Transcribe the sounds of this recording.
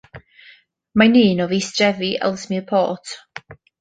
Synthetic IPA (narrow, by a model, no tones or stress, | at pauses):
maniːnɔviːsdrɛviʔɛ̰lˠsmiəpʰo̰ːtʰ